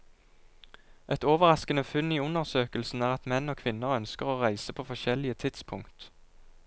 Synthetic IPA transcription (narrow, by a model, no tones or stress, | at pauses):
ʔɛt̪oːʋəʁɑskənəfʉniːʉnəʁsøːkəlsn̩æːʁɑt̪mɛnoːkʰʋɪnəʁœnskəʁoːʁæɪsəpʰoːfɔʃɛlɪət̪ʰɪt̪spʰʊŋkt̪